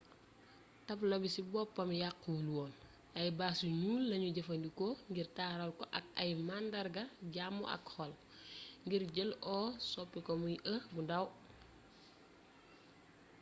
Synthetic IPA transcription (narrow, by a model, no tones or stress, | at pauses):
tɐplɐbisibɔpːɐmjakːuluwɔːn | ɐjbaːsuɲuːlːɐɲuɟɐfɐndikɔŋɡirtaːɾɐlkɔʔɐk̚ɐjmandɐɾɡɐɟaːmːɔ̰ʔɐ̰khɔl | ŋɡiɾɟəlʔɔːsɔpːikɔmujʔəbundɐw